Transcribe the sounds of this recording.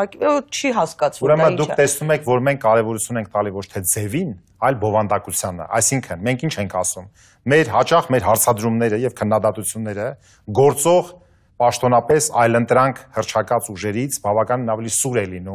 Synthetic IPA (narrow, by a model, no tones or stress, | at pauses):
t͡ʃʰiɦɑskɑt͡sʰuɾɛmənd̪ukʰt̪ɛsnumɛkʰvɔɾmɛŋkʰːɑɾɛvɔɾut͡sʰjunɛŋk̚ʰt̪ɑlivɔt͡ʃʰt̪ʰɛd͡zɛvin | ɑjlbɔvɑnd̪ɑkut͡sʰjɑnə̰ʔɑ̰jsiŋkʰənmɛŋkʰint͡ʃʰɛŋkʰɑsumː | ɛɾhɑt͡ʃɑχmɛɾɦɑɾt͡sʰɑd̪ɾumnɛɾəjɛvkʰənːɑd̪ɑt̪ut͡sʰjunːɛɾə | ɡɔɾt͡sɔʁ | pɑʃt̪ɔnɑpɛsɑjlənt̪ɾɑŋkʰhəɾt͡ʃʰɑkɑt͡suʒɛɾit͡sʰbɑvɑkɑninɑvɛlisuɾɛlinum